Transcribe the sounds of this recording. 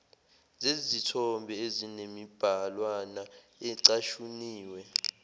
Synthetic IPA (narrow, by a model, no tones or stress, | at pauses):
zezitʰɔmbʱɛezinemib̥ʱalwana | ɛǀaʃuniːwɛ